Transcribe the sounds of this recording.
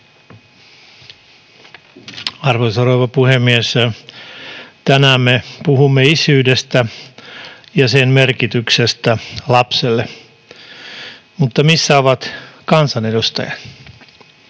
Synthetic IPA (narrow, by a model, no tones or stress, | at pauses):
ɑrʋoisɑroʋɑpuhemːies | t̪ænæmːepuhumːeisyːdest̪æ | jɑsenmerkit̪yksest̪ælɑpselːe | mut̪ːɑmisːæoʋɑt̪kɑnsɑnedust̪ɑ̰jɑt̪